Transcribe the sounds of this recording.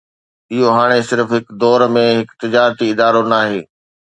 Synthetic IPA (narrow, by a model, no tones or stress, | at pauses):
ɪɦoɦaːɽ̃esɪɾəfɦɪkd̪ɔːɾmẽɦɪkt̪ɪd͡ʑaːɾt̪iɪd̪aːɾonaːɦeː